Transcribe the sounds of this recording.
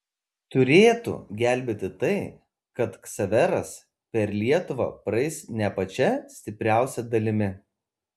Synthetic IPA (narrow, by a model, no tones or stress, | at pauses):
t̪ʊɾʲeːt̪ṵɡʲæˑlʲˑbʲeːt̪ʲɪt̪ɐɪ | kɐt̪ksɐʋʲɛɾɐs | pʲɛɾlʲiɛt̪ʊʋɐ̰pɾɐɪsnʲɛpɐt͡ʃʲɛsʲt̪ʲɪpʲɾʲæˑʊsʲɛd̪ɐlʲɪmʲɪ